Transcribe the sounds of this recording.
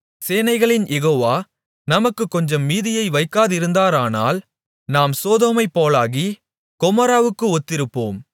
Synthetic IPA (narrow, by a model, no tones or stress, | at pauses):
seːnɐɪɣɐɭɪnjɛɣoːʋaː | nɐmɐkːɯkːɔɲd͡ʒɐmːiːðɪjɐɪʋɐɪkːaːðɪɾɯnd̪aːɾaːna̰ːl | naːmsoːðoːmɐɪpːoːlaːɣi | kɔmɐɾaːʋɯkːɯɔt̪ːɪɾɯpːo̰ːm